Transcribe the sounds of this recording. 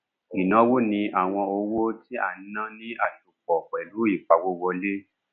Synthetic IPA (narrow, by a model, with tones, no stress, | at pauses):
i˨nã˨˦wo˦nĩ˧a˦˨w̃ɔ̃˧o˧wo˦ti˦a̰˦˨n̩˦nã˦nĩ˦a˦˨ʃu˨k͡pɔ˨k͡pɛ˨lu˨˦i˦˨k͡pa˧wo˦wɔ˧le˦